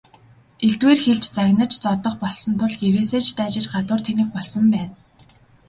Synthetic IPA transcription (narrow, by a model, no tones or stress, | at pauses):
eɮt̪weːrxeɮt͡ɕt͡saɣnə̆t͡ɕt͡sɔt̪ɞ̆χpɔɮsɞ̆nt̪ʰʊɮɡeɾeːseːt͡ɕʰt̪æːt͡ɕɪ̆t͡ɕɢat̪ʊːrt̪ʰenɘ̆x̚pɔɮsɞ̆mpæːn